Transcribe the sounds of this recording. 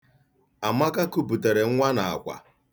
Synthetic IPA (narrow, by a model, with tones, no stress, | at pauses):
a˨ma˦ka˦ku˦bu˨te˨ɾe˨ŋ̩˦ŋʷa˦na˨a̰˨kʷa̰˨